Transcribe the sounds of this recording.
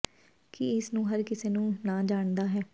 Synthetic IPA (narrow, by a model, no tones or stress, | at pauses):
kɪɪsnũːɦəɾkɪseːnũːnãːd͡ʒaːɳd̪aːɦɛː